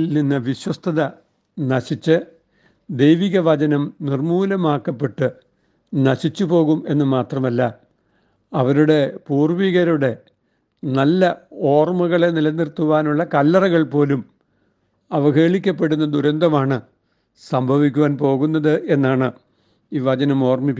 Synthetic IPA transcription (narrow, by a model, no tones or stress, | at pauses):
lninːɨʋiɕwɐst̪ʰɐðɐ | nɐɕit͡ɕːɨ | d̪ejʋiɣɐʋɐd͡ʑɐnɐmnirmuːlɐmaːkːɐpːe̞ʈːɨ | nɐɕit͡ɕːupo̞ːɣume̞nːɨmaːt̪rɐmɐlːɐ | ɐʋɐɾuɽe̞puːrʋiɣɐɾuɽe̞ | nɐlːɐo̞ːrmuɣɐɭe̞nilɐnːirt̪ːuʋaːnuɭːɐkɐlːɐrɐɣɐɭpo̞ːlum | ɐʋɐɣe̞ːɭikʲːɐpːe̞ɽunːɐd̪uɾɐnd̪ɐmaːɳɨ | sɐmbʱɐʋikʲːuʋaːnpo̞ːɣunːɐðɨʔe̞nːaːɳɨ | iːʋɐd͡ʑɐnɐmo̞ːrmip